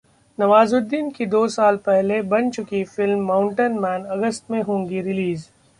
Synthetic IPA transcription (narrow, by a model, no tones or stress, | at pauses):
nɐʋaːzʊd̪ːiːnkid̪oːsaːlpɛɦlebɐnt͡ʃʊkifɪlmːãːʊ̃ɳʈənmɛːnɐɡəst̪mẽɦõːŋɡiɾɪliːz